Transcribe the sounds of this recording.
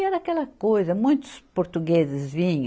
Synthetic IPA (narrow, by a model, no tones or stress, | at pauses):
ɛɾɐakɛlɐkojzɐmũj̃t̪ʊ̥spoɾt̪uɡezɪzvĩɲ̃